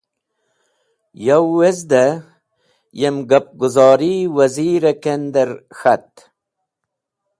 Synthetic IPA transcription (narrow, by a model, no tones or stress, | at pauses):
jawːezd̪a | jemɡap̚ɡuzɑːɾiwaziːɾekend̪eɾxat̪